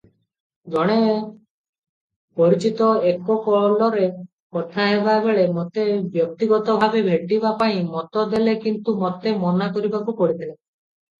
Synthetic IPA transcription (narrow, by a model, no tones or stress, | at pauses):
ɡɔɽ̃e | pɔɾit͡ʃit̪ɔekɔkɔɭlɔɾe | kɔt̪ʰaɦebabeɭemot̪ebjɔk̚t̪iɡɔt̪ɔbʱabebʱeʈibapaĩmɔt̪ɔd̪elekint̪umɔt̪emɔnakɔɾibakupɔɽit̪ʰile